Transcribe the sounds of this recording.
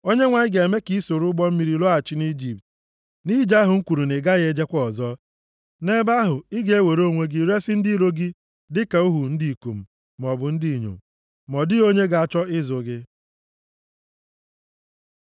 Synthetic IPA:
o˦ɲe˦ŋʷa˨ɪ˦ɡe˨e˨me˦ki˦so˨ɾʊ˦ɡ͡bɔ˦m̩˦mi˨ɾi˨lɔ˦a˨t͡ʃɪ˦ni˦d͡ʒi˨p̚t | ni˦d͡ʒa˦ɦʊ˨ŋ̩˦kʷu˨ɾu˨nɪ˨ɡa˦ɣe˦d͡ʒe˦kʷɔ˦ɔ˨zɔ˦ | ne˦ba˦ɦʊ˨iɪ˦ɡe˦e˦we˨ɾo˦˨ŋʷe˦ɡi˦ɾe˦sɪ˦n̩˦di˦ɾo˦ɡi˦ | dɪ˦ka˨u˦ɦu˨n̩˦di˨i˨ko˨m̩˨ | m˨ɔ˨bʊ˨n̩˦di˦˨ɲo̰˨m˨ | mɔ˨dɪ˦o˦ɲe˦ɡa˨a˨t͡ʃɔ˦ɪ˦zʊ˨ɡɪ˦

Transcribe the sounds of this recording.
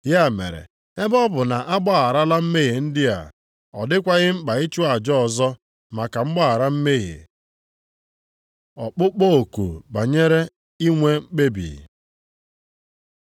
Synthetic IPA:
ja˦˨mḛ˨ɾḛ˨ | e˦bɔ˦bʊ˨na˨ʔa˦ɡ͡bɔ˦a˨ɾa˦la˦m̩˦me˦ɣe˨n̩˦dɪ˦a̰˨ | ɔ̰˨dɪ˦kʷa˦ɣɪ˦ŋ͡m̩˦k͡pa˨i˦t͡ʃu˦a˨d͡ʒɔ˦ɔ˨zɔ˦ | ma˨ka˨ŋ͡m̩˦ɡ͡ba˦a˨ɾa˦m̩˦me˦ɣḛ˨ | ɔ˨k͡pʊ˦k͡po˦o˨kṵ˨ba˨ɲe˦ɾe˦ | i˦ŋʷe˦ŋ͡m̩˦k͡pe˦bḭː˨

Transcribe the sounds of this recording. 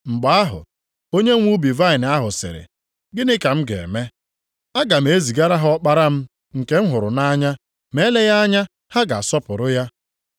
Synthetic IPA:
ŋ͡m̩˨ɡ͡ba˨a˦ɦʊ̰˨ | o˦ɲe˦ŋʷu˦bi˨va˦ɪ˨n˨a˦ɦʊ˨sɪ̰˨ɾɪ̰˨ | ɡɪ˦nɪ˦ka˨m̩˦ɡḛ˨e˨me˦ | a˦ɡa˨m̩˦e˦zi˨ɡa˦ɾa˦ɦɔ˦k͡pa˦ɾa˦m̩˦ | ŋ̩˨ke˦m̩˦ɦʊ˨ɾʊ̰˨na˦ɲa˦ | me˦le˦ja˦a˦ɲa˦ | ha˦ɡa˨sɔ˦pʊ˨ɾʊ˦ja˦

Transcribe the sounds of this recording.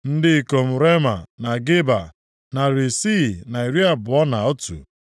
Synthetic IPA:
n̩˦dɪ˦i˨ko˨m̩˨ɾe˦ma˨na˨ɡɪ˦ba˨ | na˨ɾi˨si˦˨na˨i˨ɾi˦a˨bʊ˨ɔ˦na˨o˦tṵ˨

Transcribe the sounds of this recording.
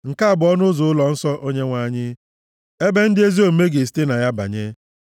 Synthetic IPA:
ŋ̩˨ka˦a˦˨bʊ˨˦ɔ˦nʊ˦zʊ˨ʊ˦lɔ˨n̩˦sɔ˦ʔo˦ɲe˦ŋʷa˨˦˨ɲɪ˦ | e˦be˦n̩˦dɪ˦e˦zi˦o˨m̩˦me˦ɡe˨si̥˦te˦na˨ja˦ba̰˨ɲe˦

